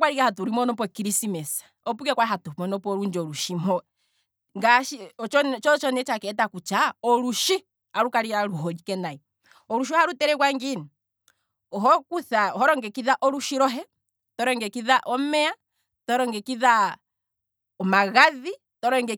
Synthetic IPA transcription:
kwaɾikahatuɾimɔnɔp̬ɔkiɾisimɛsḁ | ɔpukɛkwaiɦatumɔnɔpɔɾuɲd͡ʒɔɾuʃimɔ | ŋɡaʃit͡ʃɔnt͡ʃɔt͡ʃɔnɛt͡ʃakɛt̬akut͡ʃaɔɾuʃi | aɾukaɾiɾaɾuɦɔd͡ʒikɛnai | ɔɾuʃ̬iɔhaɾutɛɾɛkwaŋɡini | ɦɔkuθahɔɾɔŋɡɛkiðaʔɔɾuʃiɾɔɦɛ | tɔɾɔŋɡɛkiðaʔɔmɛa | tɔɾɔŋɡɛkiða | ɔmaɣaði | tɔɾɔŋɡɛ

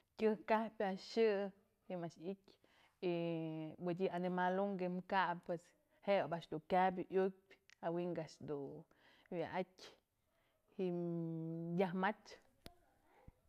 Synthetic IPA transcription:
kʲɨhkahpʲaʃɨ | himaʃikʲ | iwɨd̪ʲianimaluŋɡemkaʔpːwes | hebaʔt͡ʃd̪ukʲab̬ʲuʔjuk̚pʲawiŋɡaʔʂd̪u | wa̰ʔakʲ | hiʔm | jahmat͡ʃ

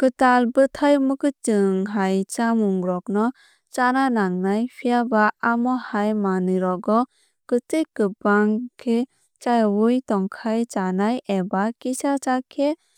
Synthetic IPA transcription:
kɯtalbɯtʰajmɯkɯtɯŋɦajt͡ʃamuŋɡɾɔk̚nɔ | t͡ʃananaŋnajpʰijabaːmɔhajmanɯɾɔɡɔ | kɯtejkɯbaŋkʰe | t͡ʃajwujtɔŋkʰajt͡ʃanajʔebakisat͡ʃakʰe

